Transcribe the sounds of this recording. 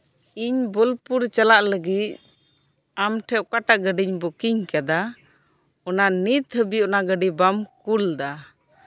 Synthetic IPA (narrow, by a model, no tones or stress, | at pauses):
iɲbɔlpuɾt͡ʃalaʔləɡit̪̚ | amʈʰɛʔ̚kaʈaʔɡəɖiɲbɔkiɲkad̪a | ɔnanit̪həbiɔnaɡəɖibamkuld̪a